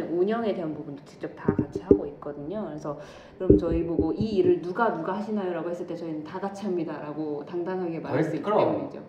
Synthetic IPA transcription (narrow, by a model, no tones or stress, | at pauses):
noɲʌŋe̞de̞anbubundot͡ɕi̥k̚t͡ɕ͈ʌp̚taɡat͡ɕʰiɦaɡoit̚k͈ʌdɯɲokɯɾesʰʌ | kkɯɾʌmjʌt͡ɕʌiboɡoʔiːɾɯɭnuɡanuɡahaɕʰinajoɾaɡohe̞s͈ɯɭt͈et͡ɕʌinɯntaɡat͡ɕʰiamɲidaɾaɡotaŋdaŋɦaɡe̞maɾaɭs͈uit͡ɕeumid͡ʑo̰